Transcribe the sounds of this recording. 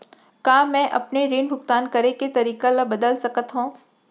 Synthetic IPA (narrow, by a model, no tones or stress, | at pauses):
kaːmɛ̃ːʔɐpneɾeːnbʱʊkt̪aːnkɐɾeket̪ɐɾiːkalabɐd̪əlsɐkət̪ɦũː